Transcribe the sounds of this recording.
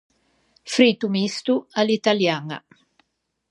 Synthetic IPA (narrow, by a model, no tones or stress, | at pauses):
fɾit̪umist̪ualit̪aljaŋa̰